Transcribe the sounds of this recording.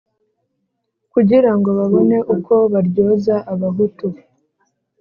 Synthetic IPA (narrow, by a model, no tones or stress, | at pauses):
kuɟiɾaŋɡo̞βaβo̞ne̞ʔukʰo̞βaɾɟoːzaʔaβaɦutu